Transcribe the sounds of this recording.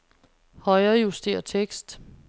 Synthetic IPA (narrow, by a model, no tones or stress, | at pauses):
hɒ̽ɪɐːjusd̥e̝̰ːɐt͡sʰeɡ̥sd̥